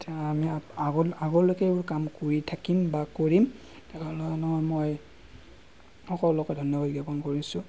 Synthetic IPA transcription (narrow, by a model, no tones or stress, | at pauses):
taamiaaɡaɡɔlokɛebʊɹkamkoɹitʰakimbakoɹim | tɛkalɔnɔɦɔjmoj | ɔkɔllɔkɔdʱɔnjɔbad̚ɡɛpɔnkoɹisʊ̃